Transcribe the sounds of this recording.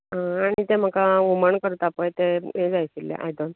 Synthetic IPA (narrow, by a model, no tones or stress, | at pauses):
ɦãːɽ̃it̪em̤əkauməɳkəɾt̪apəjt̪eed͡zajsilːḛʔa̰jd̪on